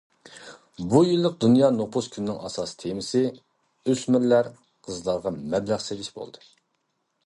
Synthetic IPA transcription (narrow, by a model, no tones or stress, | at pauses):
bujilˠːəq̚d̪unjɑːnopʰuskʲʰynɪnɪŋʔɑ̰sɑst̪ʰemɪsɪ | øsmɪɾlæɾ | qʰəzlˠɑɾʁɑmɛblæʁselɪʃbo̰lˠd̪ɨ